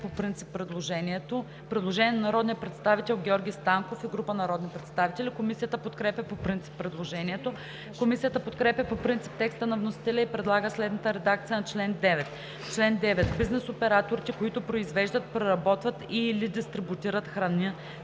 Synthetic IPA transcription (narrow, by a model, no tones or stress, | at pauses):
popɾint̪si̥pːɾɛd̪lˠoʒɛniɛt̪o | pɾɛd̪lˠoʒɛniɛnnɐɾɔd̪nijəpɾɛt̪st̪avit̪ɛlˠɡʲɛɔɾɡʲist̪aŋkofiɡɾupənɐɾɔd̪nipɾɛt̪st̪avit̪ɛlʲikomisijət̪əpot̪kɾɛpʲɐpopɾint̪si̥pːɾɛd̪lˠoʒɛnʲiɛt̪o | komisijət̪əpot̪kɾɛpʲjɐpopɾint̪si̥p̚t̪ɛkst̪ənɐvnosi̥t̪ɛlʲəipɾɛd̪lˠaɡəslɛd̪nɐt̪əɾɛd̪ak̚t̪sijənɐt͡ʃlɛnd̪ɛvɛt̪ | t͡ʃlɛnd̪ɛvɛt̪biznɛsopɛɾat̪oɾit̪ɛkoit̪ʊpɾoizvɛʒd̪ət̪̚pɾɛɾɐbɔt̪vɐt̪ilid̪ist̪ɾibut̪iɾət̪xɾɐni